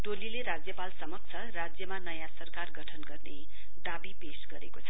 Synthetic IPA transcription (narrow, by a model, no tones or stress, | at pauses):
t̪olileɾad͡zjʌpalsʌmʌk̚t͡sʰʌrad͡zjʌmanʌjãsʌrkarɡʱʌʈʰʌnɡʌrne | ɖabipesɡʌɾḛkot͡sʰʌ